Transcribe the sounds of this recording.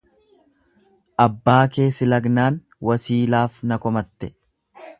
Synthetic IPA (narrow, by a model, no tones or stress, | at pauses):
ʔɐbːaːke̞ːsɪlɐɡnaːn | wɐsiːlaːfnɐkɔmɐt̪ːɛ